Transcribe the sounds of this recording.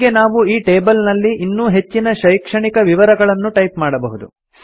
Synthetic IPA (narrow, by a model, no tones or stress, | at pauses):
ɡenaːʋuiːʈe̞ːbɐlnɐlːiʔinːuːɦe̞t͡ʃːinɐʃɐjkʂɐɳikɐʋiʋɐɾɐɡɐɭɐnːuʈɐjpmaːɽɐbɐɦud̪ṵ